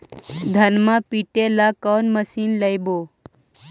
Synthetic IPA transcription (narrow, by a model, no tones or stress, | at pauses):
d̪ʱənmãpiʈelakɔːnməsiːnləjboː